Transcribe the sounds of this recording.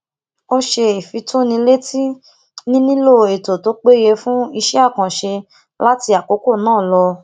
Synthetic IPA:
o˦ʃe˧i˨fi˧tʰu˦nĩ˧le˦tʰi˦ | nĩ˦nĩ˦lo˦˨e˨to˨to˨˦k͡pe˦je˧fũ˦i˧ʃɛ˦a˦˨kã˨ʃe˧ | la˦ti˧a˨ko˨˦ko˦˨nãː˦˨lɔ˧

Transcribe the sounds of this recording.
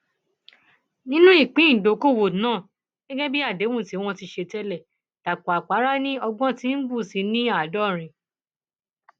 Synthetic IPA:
nĩ˦nũ˦i˦˨k͡pĩ˨˦n̩˨do˨˦ko˦˨wo˨nãː˦˨ | ɡ̥ɛ˦ɡɛ̃˦bi˦a˦˨de˨˦wũ˦˨ti˨˦w̃ɔ̃˦ti˧ʃe˧tɛ˦lɛ˦˨ | ta˨k͡pɔ˨a˨k͡pa˨˦ɾa˦nĩ˦ɔ˧ɡ͡bɔ̃˦tĩ˦n̩˦bu˦˨si˨˦nĩ˦a˦˨dɔ˦˨ɾ̃ĩ˧

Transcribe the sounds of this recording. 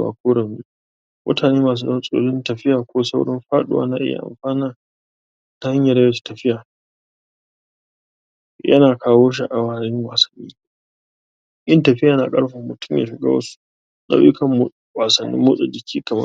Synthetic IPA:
wa̰ː˨kʰʷoː˦ɽɐ˨mi˦ | mʔʊ̰˦taː˨neː˦maː˨s̬u˨nɐ˦sʼo̰ː˦lɪ˦ntɐ˨ɸɪ˦jaː˨kʷoː˦sa˦wɽɪ˦mɸaː˦ɗʊ̰˨wa̰ː˦na˦ʔɪ̰˦ja̰˨ʔa̰˨mɸaː˦na˦ | ta˦ha˦ɲja˨ɾɐ˦jɐ˦t͡ʃi̥˨tɐ˨ɸɪ˦jaː˨ | jʔɐ̰˦naː˨kʰaː˦woː˦ʃ̬i˦ʔa˨waː˨ɾɪ˦ŋwaː˨sɐ̥˨nːiː˦ | ʔɪ˦ntɐ˨ɸɪ˦jaː˨na˨kʼɐ˦ɽɸa˨mːʊ˨tʰʊ˦mja̰ː˨ʃɪ˨ɡa̰ː˦wɐ̰˦su̥˦ | nʔa̰˦˨˦ɪ˦kʰɐ˨mu˨ | waː˨sɐ˨nːḭ˦mːʊː˦sʼa˨d͡ʒɪ˨kʲʰiː˦kɐ˨mɐ̰˦

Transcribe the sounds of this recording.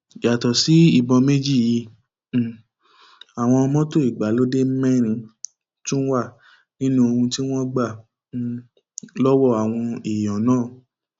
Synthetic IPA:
ja˨tɔ˨si˨˦i˦˨bɔ̃˧me˦d͡ʒi˦˨ji˧˨ | a˨w̃ɔ̃˧ɔ˧mɔ̃˦to˦˨i˨ɡ͡ba˨˦lo˦de˦m̩˦mɛ̃˦˨ɾ̃ĩ˧ | tũ˦n̩˦wa˦˨ | nĩ˦nũ˧o˧ũ˧ti˦w̃ɔ̃˦ɡ͡ba˦˨ | lɔ˦wɔ˦˨a˨w̃ɔ̃˧i˨jɔ̃˨˦nãː˦˨

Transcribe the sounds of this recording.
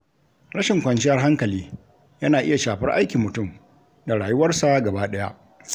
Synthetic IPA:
ɽɐ˦ʃɪ˨ŋkʷɐ˨nt͡ʃɪ˦jɐ˦rɦa˦ŋkɐ˨liː˦ | jɐ˦naː˨ʔɪ˦ja˨ʃaː˨ɸɪ˦rʔa̰˦jkʲi˨mʊ˨tʊ˦˨m | da˨ɽaː˨jʊ˦wɐ˦rsa˦ɡɐ˨baː˦ɗɐ˦ja̰˦ʔ

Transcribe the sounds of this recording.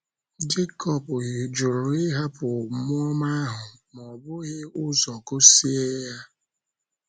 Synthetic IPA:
d͡ʒe˦kɔ˨pʊ˨ɪ˨d͡ʒu˨ɾʊ˨ɪ˦ɦa˦pʊ˨mʊ˦ɔ˦ma˦ɦʊ˨m˨ɔ˨bʊ˦ɣɪ˦ʊ˦zɔ˨kʊ˦si˦e˦ja˦

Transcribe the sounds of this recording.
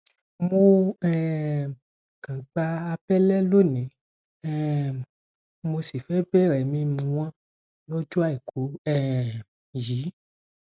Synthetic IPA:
mo˧ɛ˨ | kã˨k͡pa˧a˧pɛ˦lɛ˦lo˦˨nĩ˨˦ | ɛ˨ | mo˧si˨fɛ˨˦bɛ˦˨ɾɛ˨mĩ˧mũ˧w̃ã˦ | lo˦d͡ʒu˦a˦˨i˨kʰu˨˦ɛ˦˨ | ji˨˦

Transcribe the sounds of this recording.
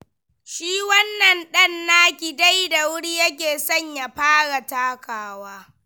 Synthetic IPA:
ʃiː˦wɐ˦nːɐ˨nɗɐ˦nːaː˦kʲi˨da˦jda˨wʊ˦ɽi˦jɐ˦k̬ʲeː˨sɐ˦˨ɲja˨ɸaː˦ɽa˨taː˦kaː˨waː˦

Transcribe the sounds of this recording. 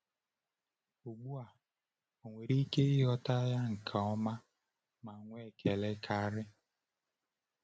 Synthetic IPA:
o˨ɡ͡bu˦a˨ | o˨ŋʷe˨ɾi˦ke˦ɪ˦ɦɔ˦ta˦ja˦ŋ̩˨kʰa˨ɔ˦ma˦ | ma˨ŋʷ˦e˦˨kʰe˨le˦kʰa˦ɾɪ˦

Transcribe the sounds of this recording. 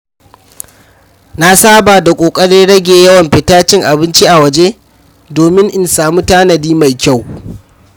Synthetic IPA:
na˦saː˦baː˨da˨kʷʼoː˨kʼɐ˦ɽi˦ɽɐ˦ɡʲeː˨jɐ˦wɐ˨mɸɪ˨taː˦t͡ʃɪ˦ŋʔa˨bɪ˦nt͡ʃi˦ʔa˨wɐ˨d͡ʒe˦ | doː˨mɪ˦ŋʔɪ˨nsaː˨muː˦taː˦nɐ˨diː˦ma˨jkʲa˦˨w

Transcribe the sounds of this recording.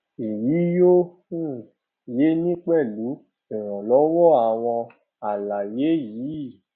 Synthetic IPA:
i˨wi˨˦jo˦ | u˦˨ | je˨˦nĩ˦k͡pɛ˦˨lu˨˦ | ɛ˨ɾ̃ɔ̃˨lɔ˨˦wɔ˦a˨w̃ɔ̃˧ | a˨la˨je˨˦jiː˨˦˨

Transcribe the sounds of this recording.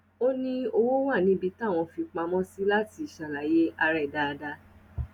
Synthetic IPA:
o˦nĩ˦o˧wo˦wa˦˨nĩ˨˦bi˧tã˦˨ɔ̃˧fi˧k͡pa˧mɔ̃˦si˦la˦ti˧˨ʃa˨la˨je˦a˧ɾɛ˦˨da˦˧da˧

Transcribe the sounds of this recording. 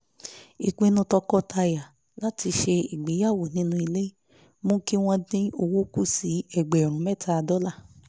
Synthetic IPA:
i˨kũ˨˧i˧nũ˧˦tɔ˧kɔ˦tʰa˧ja˨ | la˨˦tʰi˧ʃe˧i˨ɡ͡be˨˦ja˦˨wo˨nĩ˨˦nũ˧i˧le˦i˦ | mũ˦ki˦w̃ɔ̃˧dĩ˦o˧wo˦ku˦˨si˨˦ɛ˨ɡ͡bɛ˨ɾ̃ũ˨˦mɛ˦˨tʰa˧dɔ˦la˦˨

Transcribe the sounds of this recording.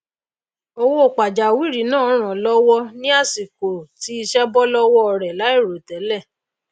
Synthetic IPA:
o˧wo˧o˨k͡pa˨d͡ʒa˨wi˦ɾi˨˦nãː˦˨ɔ˨˦ɾ̃ã˨lɔ˦wɔ˦nĩ˦a˦˨si˨ko˨ti˨˦i˧ʃɛ˦bɔ˦lɔ˦wɔ˦ɔ˧ɾɛ˨la˨˦i˦˨ɾo˨tɛ˨˦lɛ˦˨

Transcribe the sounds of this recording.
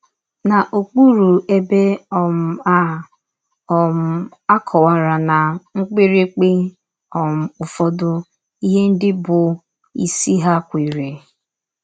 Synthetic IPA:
na˨ʔo˨k͡pu˦ɾu˨e˦be˦ɔ˨m̩˦a˦ | ɔ˨m̩˦a˦kʰɔ˨wa˨ɾa˨na˨ŋ̩˦k͡pi˦ɾe˦k͡pe˦ | ɔ˨m̩˨˦ʊ˨fɔ˦dʊ˦ | i˦ɦe˦n̩˦dɪ˦bʊ˨ | ḭ˨si˦ɦa˦kʷi˨ɾe˨

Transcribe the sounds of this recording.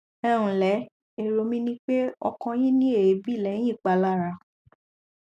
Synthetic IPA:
ɛ̃˦˨ũ˨lɛ˨˦ | e˦˨ɾo˧˨mĩ˦nĩ˦k͡pe˦ɔ˧kɔ̃˧jĩ˦nĩ˦e˦˨e˨˦bi˦˨lɛ̃˨˦ĩ˦˨k͡pa˨˧˨la˦˨ɾa˧˨

